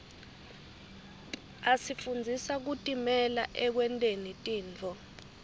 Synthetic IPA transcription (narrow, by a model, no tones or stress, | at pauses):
asifund͡zʱisak̬utʼimɛlaʔɛk̬wɛntʼenitʼiːnt͡fʰɔ